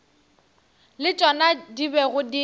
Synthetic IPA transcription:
lɪt͡ʃʼɔnadibɛɣʊdi

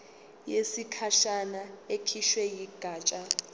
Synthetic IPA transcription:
jesikʰaʃanaekʰiʃwɛjiɡ̥ʱaːt͡ʃʼa

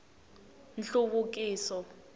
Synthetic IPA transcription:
nɬuɓuk̬ʼiːsɔ

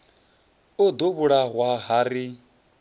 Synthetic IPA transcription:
od̪oβuɺaɦwaɦaɾi

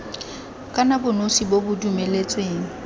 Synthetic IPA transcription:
kʼanabʊnosibobʊdumelet͡sʼweːŋ̩

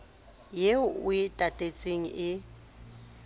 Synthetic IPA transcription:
jeʊɪtʼatʼet͡sʼeŋ̩ʔɪ

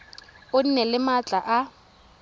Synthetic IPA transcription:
ʊn̩nɛlɪmat͡ɬʼaʔa

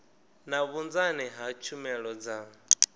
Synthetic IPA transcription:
naβund͡zaniɦat͡ʃʰumɛɺɔd͡za

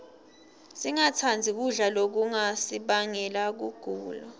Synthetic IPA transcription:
siŋatʰand͡zʱiɓuɮalok̬uŋasiɓaŋɛlak̬uɡ̥ʱuːlɔ

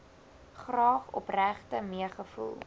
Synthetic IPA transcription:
χrɑːχɔ̰præχtəmiəχəfṵlˠ

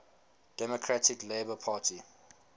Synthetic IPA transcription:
d̥ɛmɔkʰɹatɪkleːbəpʰaːtʰi

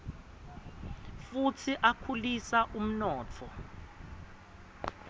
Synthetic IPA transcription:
futʰiʔakʰulisaʔum̩nɔːtʰɔ

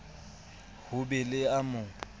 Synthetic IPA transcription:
hʊbɛlɪamʊ

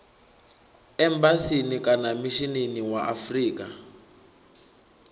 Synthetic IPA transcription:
ɛmbasinikanamiʃineniwaʔafriːkʼa

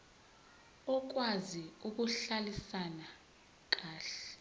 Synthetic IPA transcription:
ɔk̬waziuk̬uɬalisana | k̬aːɬɛ̥

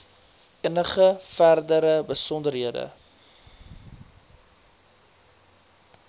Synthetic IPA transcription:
ənəχəfærdəɾəbəsɔndərɦiədə̰

